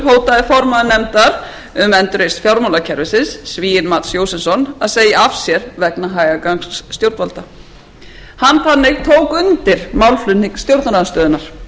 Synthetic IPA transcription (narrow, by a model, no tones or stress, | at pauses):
ɦoːwt̪aðɪfɔɾmaðnɛmt̪aɾ | ʏmɛnt̪ɾejst̪fjawɾmalacʰɛɾvɪsɪnsːviːjɪnmaːt̪sjowsɪnsɔnaðseːjɪafsjɛɾvɛknaɦaːjɣakaŋsːt̪jowɾt̪alt̪a | hanθanːɪɣt̪ʰoːwkʏnt̪ɪɾ̥mawlflʏnniŋkst̪jowɾt̪naɾanst̪œːðʏnaɾ̥